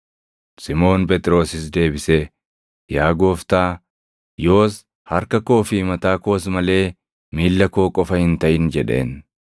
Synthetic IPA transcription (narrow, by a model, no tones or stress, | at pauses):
sɪmo̞ːnpʼɛt̪ʼɾo̞ːsɪs̬d̪e̞ːbɪsɛ | jaːɡo̞ːft̪aː | jo̞ːs | hɐɾkɐko̞ːfɪmɐt̪aːko̞ːs̬mɐle̞ː | miːlːɐkoːkʼɔfɐhɪnt̪ɐʔɪnd͡ʒɛᶑe̞̰ːn